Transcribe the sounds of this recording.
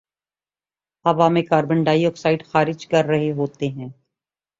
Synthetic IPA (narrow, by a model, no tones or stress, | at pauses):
ɐbaːmẽkaːɾbə̃ɳɖaːiɔːksaːɪɖxaːɾɪd͡ʒkɐɾːɐɦeɦoːt̪eɦɛ̃ː